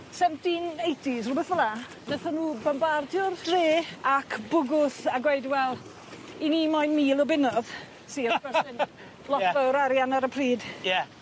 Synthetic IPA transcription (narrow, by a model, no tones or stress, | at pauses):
sɛmdinejdisrubɛθvəla | naθanuːbambardjʊrd̥reːakʰb̥ʊɡʊθaɡwejdwɛlˠ | iniːmɔjnmiːlˠɔbɪnɔð | siːkɛsɪn | lˠɔtʰəwɾaɾjanaɾəpʰriːd̥jɛ